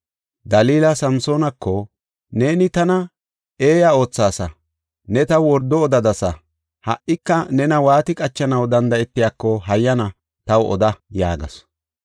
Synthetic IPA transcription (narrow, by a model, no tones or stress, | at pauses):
d̪ɐliːlɐsɐmso̞ːnɐkːɔ | ne̞ːnɪt̪ɐnɐ | e̞ːjɐo̞ːt͡sːaːsɐ | nɛt̪ɐwwɔɾd̪ɔːd̪ɐd̪ɐsɐ | hɐ̰ʔɪkːɐnɛnɐwaːt̪ɪkʼɐt͡ʃːɐnɐwd̪ɐnd̪ɐɛt̪ːɪjaːkːɔɦɐjːɐnɐ | t̪ɐwʔɔ̰d̪ɐja̰ːɡɐ̰s